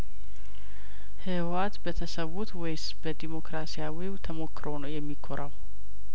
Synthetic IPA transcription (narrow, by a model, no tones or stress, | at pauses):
hɨwat̪bət̪ʰəsəwut̪wɔjsbəd̪imo̞kɾasijawiwt̪ʰəmo̞kːɾo̞nəwjɛmːikʰːoɾʔaw